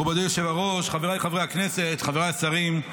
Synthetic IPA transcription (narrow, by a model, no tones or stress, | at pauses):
ubadujoʃevaʁoʃχaveʁaχavejhakneset̪χaveʁasaʁim